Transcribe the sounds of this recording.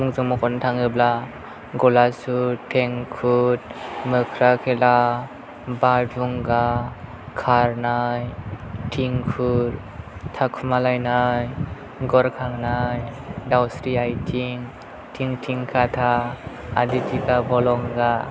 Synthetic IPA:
muŋzɯŋmɔkʰɔntʰaŋɯbla | ɡɔlasutʰeŋkʰut̚mɯkʰɾakʰela | baduŋɡa | kʰaɾnajtʰiŋkʰuɾ | tʰakʰumalajnaj | ɡɔɾkʰaŋnajdawsɾiajtʰiŋ | tʰiŋtʰiŋkʰatʰaː | ditʰiɡabɔlɔŋɡa

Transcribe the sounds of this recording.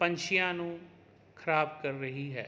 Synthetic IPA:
pə̃ɲʃɪjãːnũː | kʰəɾaːbkɐɾːɐɦiɦɛː

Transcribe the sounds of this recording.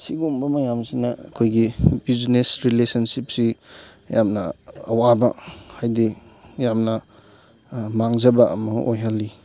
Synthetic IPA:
siɡumbɐmɐjamsinɐɐkʰojɡibiznesɾilesɐnsip̚si | jamnɐɐwabɐ̰hajdijamnɐ | maŋzɐbɐʔɐ̰mɐojɦalːi

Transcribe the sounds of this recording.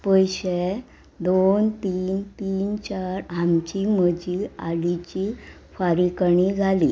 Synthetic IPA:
pəjɕe | d̪ont̪iːnt̪iːnt͡ɕaɾamt͡ɕiməd͡ʑiaɽit͡ɕi | faɾikəɳid͡zʱali

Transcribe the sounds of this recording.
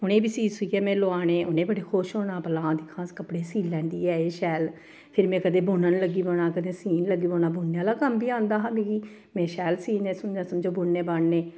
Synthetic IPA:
ʊnẽːbiːsiːsʊiːɛːmɛ̃ːloaːnẽːʔʊnẽːbəɽeːkʰoːʃɦoːnãːpəlãːd̪ɪkʰːãːskəpɽeːsiːlːɛ̃ːnd̪iːɛːeːʃɛːl | pʰɪɾmɛ̃ːkəd̪ẽːbʊnənləɡːiːboːɳaːkəd̪eːsiːnləɡːiːboːnaːbʊːnːejãːlaːkəmbiːãːnd̪aːɦãːbẽːɡiː | mɛ̃ːʃɛːlsiːnẽːsəmd͡ʒãːsəmd͡ʒoːbʊɳːeːbəɳneː

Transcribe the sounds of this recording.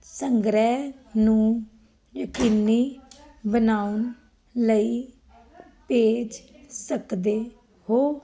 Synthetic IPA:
səŋɡɾɛːnũː | jəkiːniː | bənaːʊn | ləiː | peːd͡ʒ | səkd̪eː | hoː

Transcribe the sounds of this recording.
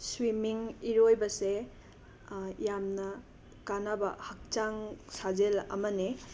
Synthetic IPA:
swimiŋiɾojbɐse | jamnɐ | kanabɐhɐk̚t͡ʃaŋsazelɐ̰mɐne

